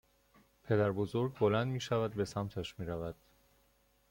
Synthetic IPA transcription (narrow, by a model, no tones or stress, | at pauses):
pʰe̞d̪æɾbozoɾɡbo̞lænd̪miːʃævæd̪̚be̞sæmt̪ʰæʃmiːɾævæd̪̥